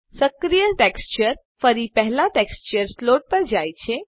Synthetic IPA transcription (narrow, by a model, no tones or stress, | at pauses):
səkɾijəʈeːkst͡ʃəɾ | fəɾipɛɦlaʈeːkst͡ʃəɾsloːʈ̚pəɾd͡ʒaːjt͡ʃʰe